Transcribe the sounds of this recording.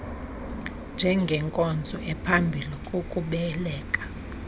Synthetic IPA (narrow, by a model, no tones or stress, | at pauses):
nd͡ʒʱɛŋɡʱɛŋkʼɔnd͡zʱɔʔɛpʰambʱilikʼokʼuɓɛlɛːkʼḁ